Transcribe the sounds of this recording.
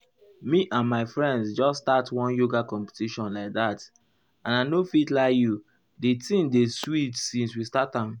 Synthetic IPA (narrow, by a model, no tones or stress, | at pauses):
miʔãnmaɪfɹɛ̃ndsd͡ʒɔsːtatwɔ̃njoɡakɔ̃mpe̥tiʃɔ̃nlaɪk̚ðat | ãnanofitlaɪkju | ditĩmdeswitsĩnswistatãm